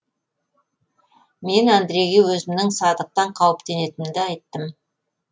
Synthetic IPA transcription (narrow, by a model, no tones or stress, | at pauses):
me̞nand̪ɾe̞ɡiwɵzɪmnɪŋsɑd̪əq̚t̪ɑɴqʰɑwəpt̪e̞ne̞t̪ɪnd̪ɪɑjt̪ːəm